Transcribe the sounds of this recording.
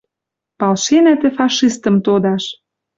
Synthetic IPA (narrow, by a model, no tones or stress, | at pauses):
pɑlʃenæt̪ĕfɑʃist̪ə̆mt̪od̪ɑʃ